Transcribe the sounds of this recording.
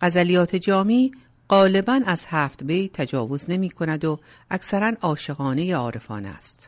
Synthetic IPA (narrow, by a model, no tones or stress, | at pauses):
ɢ̥æzælijɒːt̪ʰe̞d͡ʒɒːmiː | ɢɒːle̞bænæz̥hæːft̪bejt̪ʰæd͡ʒɒːvo̞zne̞miːkʰo̞næd̪o | ʔækʰsæɾænɒːʃe̞ɣɒːne̞jeɒːɾe̞fɒ̰ːnæ̰ːst̪